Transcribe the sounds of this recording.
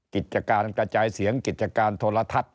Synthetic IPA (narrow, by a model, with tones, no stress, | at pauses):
ki˨˩t̪̚t͡ɕa˧kaː˧nkɾa˧t͡ɕaː˧jsi˩˦əŋki˨˩t̪̚t͡ɕa˧kaː˧nt̪ʰoː˧la˧t̪ʰa˨˧˩t̪̚